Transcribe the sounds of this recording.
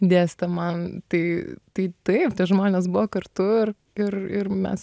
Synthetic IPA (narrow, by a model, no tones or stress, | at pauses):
d̪ʲeːsʲt̪ʲɐmɐnt̪ɐɪt̪ɐɪt̪ɐɪptʲiɛʒmoːnʲeːs̬bʊʋɔkɐɾt̪ʊɪr | ɪɾɪ̰rmʲɛ̰s